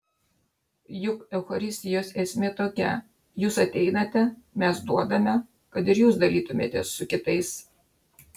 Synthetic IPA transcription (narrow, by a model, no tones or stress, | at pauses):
jʊkɛʊxɐɾʲɪsʲt̪ʲɪjoːsɛsʲmʲeːt̪oːkʲɛ̰ | juːsɐt̪ʲɛɪnɐt̪ʲɛmʲɛsd̪uɔd̪ɐmʲɛ | kɐt̪ɪɾjuːsd̪ɐlʲiːt̪ʊmʲḛːt̪ʲɛ̰sːʊkʲɪt̪ɐɪs